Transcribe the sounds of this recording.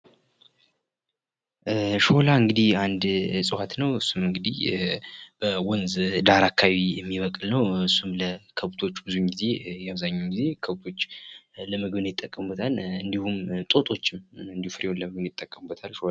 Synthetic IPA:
ʃolaɨŋɡɨd̪ihand̪sʼɨwat̪nəwɨsːumɨŋɡɨd̪ih | b̥əwɔnzd̪aɾakʰawijɛmːiβəkʼlnəwɨsːumləkʰəβt̪ʰo̞t͡ʃːbɨzuɲɡize̞jɛaβzaɲːawɡize̞kʰəβt̪ʰo̞t͡ʃːləməɡβɨnjɪt̪ʼːəkʼːəmbət̪ʰalɨnd̪ihumt̪ʼo̞t̪ʼo̞t͡ʃːɪmɨnd̪ihufɨɾewonləməɡɨnjɪt̪ʼːəkʼːəmbːət̪ʰalʃola

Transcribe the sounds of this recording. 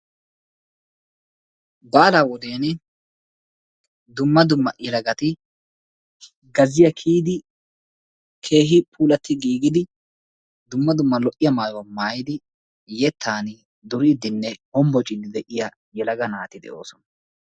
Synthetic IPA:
baːlaːwɔd̪eːnɪ | d̪ʊmːɐd̪ʊmːɐ̰ʔɛlɐɡɐt̪ɪ | ɡɐzɪjɐkʰiːd̪ɪ | kʰe̞ːɦɪpʰuːlɐt̪ːɪɡiːɡɪd̪ɪ | d̪ʊmːɐd̪ʊmːɐlɔʔɪjɐmaːjwɐmaːjɪd̪ɪ | jɛt̪ʰːaːnɪ | d̪ʊɾɪd̪ɪnːɛhɔmbɔt͡ʃʼɪd̪ːɪd̪ɛʔɪjɐ | jɛlɐɡɐnaːt̪ɪd̪ɛ̰ʔo̰ːsɔnɐ

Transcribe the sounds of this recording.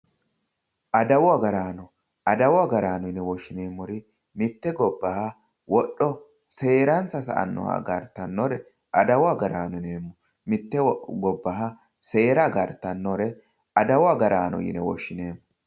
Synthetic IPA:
ʔɐd̪ɐwɔɐɡɐɾaːnɔ | ɐd̪ɐwɔaɡɐɾaːnɔjɪnɛwɔʃːɪneːmːɔɾɪ | mɪt̪ːɛɡɔbːɐhɐ | wɔɗːɔ | se̞ːɾɐnt͡sːɐsɐ̰ʔɐ̰nːɔ̰hɐ̰ɡɐɾt̪ːɐnːɔɾɛ | ʔɐd̪ɐwaɡɐɾaːnʊneːmːɔ | mɪt̪ːɛɡɔbːɐɦɐ | se̞ːɾɐɡɐɾt̪ːɐnːɔɾɛ | ɐd̪ɐwɐɡɐɾaːnɔ̰jɪ̰nɛwɔ̰ʃːɪneːmːɔ

